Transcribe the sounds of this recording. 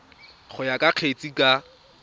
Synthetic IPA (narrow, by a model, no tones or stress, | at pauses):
χʊjakʼaq͡χʰet͡sʼikʼa